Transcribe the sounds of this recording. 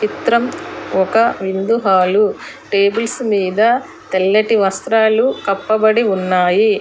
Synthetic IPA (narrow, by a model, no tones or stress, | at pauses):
t͡ʃit̪ɾɐmɔkɐʋind̪uɦaːlu | ʈe̞ːbulsmiːd̪ɐ | t̪elːɐʈiʋɐst̪ɾaːlukɐpːɐbɐɽiunːaːji